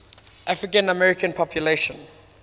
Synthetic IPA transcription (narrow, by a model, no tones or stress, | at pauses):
ʔafɹikə̃nəmɛɹikə̃npʰɔpʰjuleʃə̃n